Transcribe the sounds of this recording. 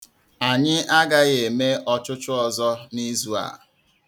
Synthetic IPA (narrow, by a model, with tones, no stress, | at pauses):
a˨ɲɪ˦a˦ɡa˦ɣe˨me˦ʔɔ˦t͡ʃʊ˦t͡ʃʊ˦ɔ˨zɔ˦ni˦zu˦a̰˨